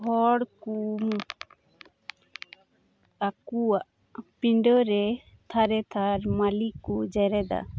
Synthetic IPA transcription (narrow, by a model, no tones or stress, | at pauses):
ɦɔɽkum | akuaʔ | piɳɖɔɾɛ | t̪ʰaɾɛt̪ʰaɾmalikud͡ʒɛɾɛd̪a̰